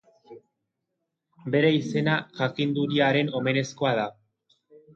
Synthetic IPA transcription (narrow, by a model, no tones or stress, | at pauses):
be̞ɾe̞ise̞naʝakind̪uɾiaɾe̞no̞me̞ne̞sko̞að̞a